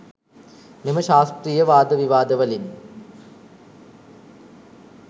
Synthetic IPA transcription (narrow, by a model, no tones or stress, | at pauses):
nimɐɕaːst̪rijɐʋaːd̪ɐʋiʋaːd̪ɐʋɐlin